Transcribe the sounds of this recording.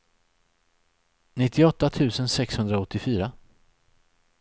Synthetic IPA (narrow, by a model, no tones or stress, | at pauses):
nɪt̪ːɪɔt̪ːat̪ʰʉ̟ːsənsɛkshɵnd̪ɾaɔt̪ːɪfyːɾa